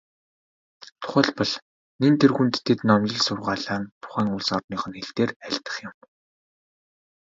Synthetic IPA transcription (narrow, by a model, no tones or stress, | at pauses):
t̪ʰʊ̥χə̆ɮpɞ̆ɮ | nent̪ʰerɣunt̪ʰːet̪nɔmjɪ̆ɮsʊrʁaːɮaːnt̪ʰʊ̥χæːŋʊɮsɔrt̪niːχə̆nxeɮt̪eːræɮt̪ə̥̆χjʊ̆m